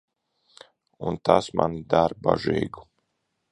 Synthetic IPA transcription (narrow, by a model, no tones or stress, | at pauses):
unt̪asmand̪aɾba̰ʒɛːɡu